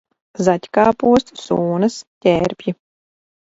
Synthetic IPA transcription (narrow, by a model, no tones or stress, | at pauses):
zatʲkaːpuɔst̪suːnɐstʲɛːɾpʲji